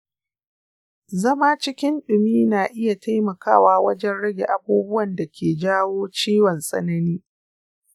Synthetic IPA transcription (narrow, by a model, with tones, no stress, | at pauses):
zɐ˦ma˦t͡ʃɪ˦kʲɪ˦nɗʊ˨miː˦naː˨ʔɪ˦ja˨ta˦jmɐ˨kaː˦˨waː˦wɐ˦d͡ʒɛ˦nɽɐ˦ɡʲḛ˨ʔa˨buː˦bʊ˦wɐ˨nda˨kʲeː˨d͡ʒaː˦woː˦t͡ʃiː˦wɔ˨nsʼɐ̰˦nɐ˦niː˦